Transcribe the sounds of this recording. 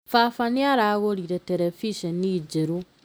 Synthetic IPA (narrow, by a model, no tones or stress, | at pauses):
fafaniaɾaɣoɾiɾeteɾefiʃenid͡ʒeɾu